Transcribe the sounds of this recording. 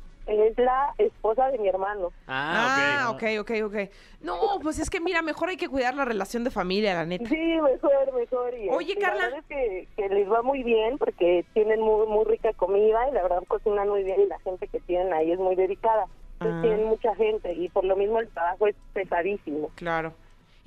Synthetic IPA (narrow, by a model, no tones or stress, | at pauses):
ezlaespo̞s̬aðe̞mie̞ɾmãno̞aaaeokejo̞kejokej | nopwes̬e̞ske̞miɾame̞xo̞ɾajke̞kwiðaɾlare̞lasjo̞nd̪e̞familjalane̞t̪aime̞xoɾme̞xoɾioʝe̞kaɾlaaβeskekelezβamujβje̞npo̞ɾke̞t̪je̞nẽ̞nmumujrikako̞miðailaβe̞ɾðaðkosinanmujβjenilaxe̞nt̪e̞ke̞t̪je̞ne̞naie̞zmujðe̞ðikaðat̪et̪jenenmut͡ʃaxe̞nt̪e̞ipo̞ɾlo̞mizmoelt̪ɾaβaxo̞e̞spe̞saðisimo̞klaɾo̞